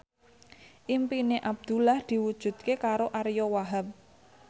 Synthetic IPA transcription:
ʔimpineʔab̚d̪̥ulahd̪̥i̤wud̥ʒ̥ṳd̪̥̚kekaɾoʔaɾjɔwaɦap̚

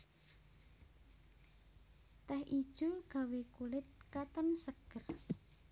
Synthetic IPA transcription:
t̪ɛhʔid̥ʒ̥uɡ̥a̤wekulɪt̪̚kat̪ənsəɡ̥ər

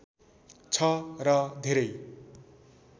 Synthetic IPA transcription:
t͡sʰʌrʌd̪ʱeɾʌj

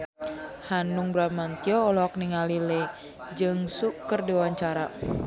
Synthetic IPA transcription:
hanuŋbɾamant̪iɔːlɔɔk̚niŋalile | d͡ʒɨŋsukərdiwaɲt͡ʃaɾa

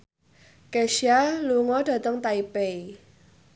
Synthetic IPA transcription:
keʃialuŋɔd̥ä̤t̪əŋt̪aipei

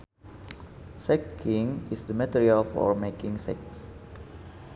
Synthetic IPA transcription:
sɛkʰĩŋisdəmat̪iɹialfɔ̰ɹmekĩŋsɛ̰ks

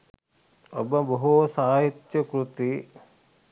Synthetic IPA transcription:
obɐbɐɦusaːɦit̪jɐkɾut̪i

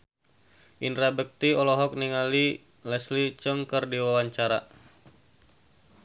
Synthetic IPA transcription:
ʔinrabək̚t̪iɔlɔɦɔk̚niŋali | lɛslit͡ʃəŋkɨrdiwawaɲt͡ʃaɾa̰

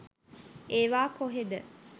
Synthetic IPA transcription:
eːʋaːkoɦed̪ə

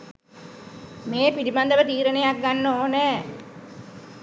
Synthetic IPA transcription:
meːpiliband̪əʋət̪iːɾənejak̚ɡanːoːnɛː

